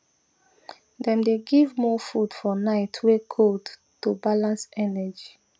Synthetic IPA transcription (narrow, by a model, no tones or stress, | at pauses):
dɛ̃mdeɡivmɔfud̥fɔnaɪtʰwekʰod | tːubalãnsɛnɛd͡ʒi